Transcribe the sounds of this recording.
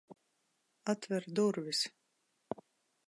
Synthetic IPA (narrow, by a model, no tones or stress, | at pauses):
at̪vɛɾd̪uɾvis